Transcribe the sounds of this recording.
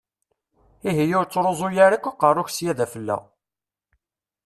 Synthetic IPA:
iɦijʊɾt͡sːɾˤozˤʊjaɾakʷːaqərˤːʊçsjæðæfəlːæ̰w

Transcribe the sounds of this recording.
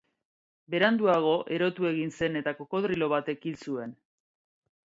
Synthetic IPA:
be̞ɾand̪uaɣ̞o̞ʔe̞ɾo̞t̪ue̞ɣ̞inse̞ne̞t̪ako̞ko̞ðɾilo̞βat̪e̞kinsue̞n

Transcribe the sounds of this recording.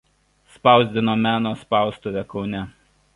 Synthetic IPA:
spɑˑʊzʲd̪ʲɪnoːmʲæːnoːspɑˑʊst̪oʋʲɛkɒʊnʲɛ

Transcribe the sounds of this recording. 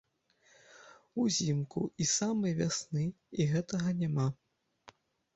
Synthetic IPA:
uzʲimkṵisamɐjvʲasnɨ | iɣɛt̪ɐɣɐnʲama

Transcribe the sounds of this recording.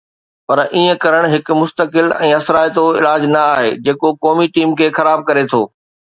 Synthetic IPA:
pɐɾʔiːə̃kɐɾəɽ̃ɦɪkʊ̆mʊst̪əkɪlɛ̃ːɐsɾaːjt̪oɪ̰laːd͡ʑnɐaːɦḛːd͡ʑeːkokɔːmiʈiːmkʰeːxɐɾaːb̚kɐɾet̪ʰoː

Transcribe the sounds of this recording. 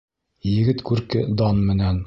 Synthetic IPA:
jɘ̆ɡɘt̪kʉɾkɘd̪ɑnmɘ̆næn

